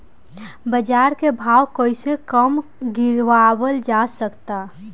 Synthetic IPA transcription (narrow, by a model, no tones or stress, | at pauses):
bəd͡ʒaɾkebʱaːwkoːisekəmɡɪɾʋawəld͡ʒasəkt̪a